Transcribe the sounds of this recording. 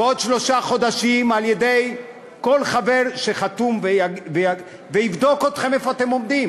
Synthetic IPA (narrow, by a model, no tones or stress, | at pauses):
od̪ʃlo̞ʃaχo̞d̪aʃimaljed̪e̞j | ko̞lχave̞ʁʃeχat̪umveaveja | veivd̪o̞kot̪χe̞mefoat̪emo̞md̪im